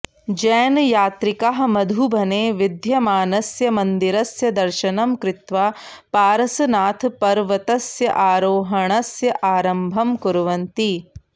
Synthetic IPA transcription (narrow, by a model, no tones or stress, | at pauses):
d͡ʒɛːnjaːt̪ɾikaɦɐ̆mɐd̪ʱubʱɐneːʋid̪ʱjɐmaːnɐsjɐmɐnd̪iɾɐsjɐd̪ɐɾʃɐnɐmkɾɪt̪ʋaː | paːɾɐsɐnaːt̪ʰpɐɾʋɐt̪ɐsjɐ̰ʔaːɾoːɦɐɳɐsjɐʔaːɾɐmbʱɐmkuɾʋɐnt̪i